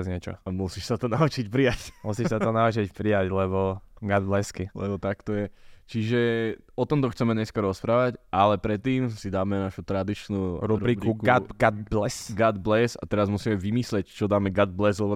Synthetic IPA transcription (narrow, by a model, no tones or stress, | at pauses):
zɲɪɛt͡ʃɔ̰amusiːʃsat̪ɔnaut͡ʃicpɾijacmusiːʃʃsat̪ɔnaut͡ʃicpɾijaclɛbɔɡad̪blɛskilɛ̰bɔt̪akt̪ɔjɛt͡ʃiʒɛ | ɔt̪ɔmt̪ɔxt͡sɛmɛɲɛskaɾɔspɾaːʋacʔalɛpɾɛt̪ːiːmsid̪aːmɛnaʃut̪ɾad̪it͡ʃnuːɾuɾuɾiːbkiukɡad̪blɛsɡad̪blɛsa̰t̪ɛɾazmusiːmɛʋimislɛct͡ʃɔd̪aːmɛɡad̪̚blɛzlɛbɔ